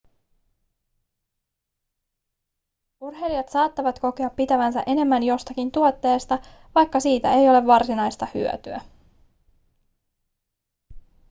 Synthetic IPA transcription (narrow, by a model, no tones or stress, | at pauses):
urɦe̞liɑt̪sɑːt̪ːɑʋɑt̪ko̞keɑpːit̪æʋæns̬æ̰ʔe̞ne̞mːænjo̞st̪ɑkint̪uo̞t̪ːe̞ːst̪ɑʋɑjkːɑsiːt̪æe̞jo̞le̞ʋːɑrsinɑjst̪ɑhy̰øt̪yæ̰